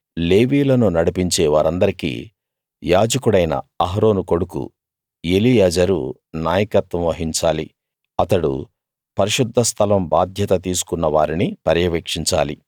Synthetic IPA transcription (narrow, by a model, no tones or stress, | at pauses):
le̞ːʋiːlɐnunɐɽipiɲt͡ʃeːʋaːɾɐnd̪ɐɾikḭː | jaːd͡ʒɐkuɽɐjnɐ̰ɐɦɾo̞ːnuko̞ɽukṵ | elijɐd͡ʒɐɾu | naːjɐkɐt̪ʋɐmʋɐɦiɲt͡ʃaːli | ɐt̪ɐɽṵ | pɐɾiʃud̪ʱːɐst̪ʰɐlɐmbaːd̪ʱjɐt̪ɐt̪iːsu̥kunːɐʋaːɾinipɐɾjɐʋeːkʂiɲt͡ʃa̰ːli